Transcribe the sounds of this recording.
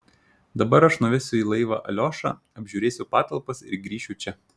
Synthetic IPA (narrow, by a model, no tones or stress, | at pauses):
d̪ɐbɐɾɐʃnʊʋʲɪsʲʊiːlˠɐɪʋɑ̰ʔɐ̰lʲoːʃɑ̰ː | ɐbʲʒʲuːɾʲeːsʲʊpɑːt̪ɐlˠpɐsɪ̰ɾɡɾʲiːʃʲʊt͡ʃʲɛ